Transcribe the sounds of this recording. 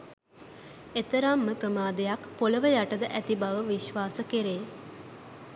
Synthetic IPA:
et̪əɾamːəprəmaːd̪ejakpoləʋəjaʈəd̪əʔæt̪ibaʋəʋiʃʋaːsəkeɾeː

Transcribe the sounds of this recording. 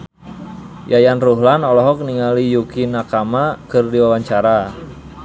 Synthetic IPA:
jajanruɦlanɔlɔɦɔk̚niŋalijukinakamakərdiwawaɲt͡ʃaɾa

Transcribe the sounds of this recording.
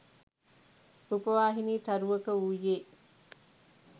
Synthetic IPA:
ɾupɐʋaːɦiniːt̪ɐɾuʋɐkəujeː

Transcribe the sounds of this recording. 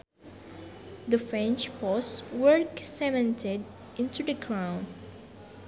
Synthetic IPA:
d̪əfɹɛ̃nt͡ʃpɔswəɹksɛmɛ̃ntʰed | ɪ̃ntud̪əkɹãʊ̃n

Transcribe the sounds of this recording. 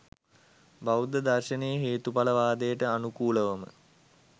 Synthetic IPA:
bawd̪əd̪arʃənejəɦeːt̪upaləʋaːd̪ejəʈəanukuːləʋəmə̰

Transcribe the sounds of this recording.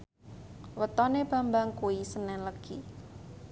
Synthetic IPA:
wət̪ɔneb̥a̤mbaŋkuwisənɛnləɡ̥ḭ

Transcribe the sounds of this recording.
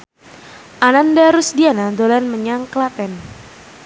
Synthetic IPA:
ʔanandaɾusdianadolɛnməɲaŋklat̪ɛn

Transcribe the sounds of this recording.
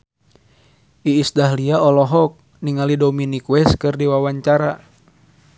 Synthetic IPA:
ʔiːsdaɦliaɔlɔɦɔk̚ | niŋalidominikwɛskɨrdiwawaɲt͡ʃaɾa

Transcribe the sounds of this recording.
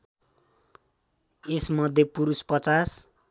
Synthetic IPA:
esmʌd̪ʱjepuɾuspʌt͡sas

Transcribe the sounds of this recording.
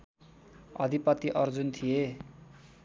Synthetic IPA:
ʌ̰d̪ʱipʌt̪ːiʔʌrd͡zunt̪ʰije

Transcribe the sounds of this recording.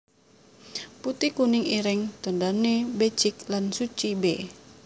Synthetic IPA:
put̪ikunɪŋiɾɪŋt̪ondanebet͡ʃik̚lansut͡ʃibe

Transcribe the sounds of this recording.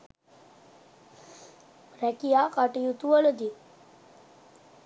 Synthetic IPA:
rækijaːkaʈijut̪uʋələd̪i

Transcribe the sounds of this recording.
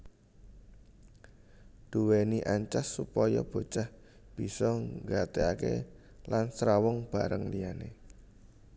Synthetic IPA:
d̪̥uweniʔaɲt͡ʃasːupɔjɔb̥o̤t͡ʃah | b̥i̤sɔŋɡat̪eakḛ | lansɾawɔŋb̥a̤ɾəŋliane

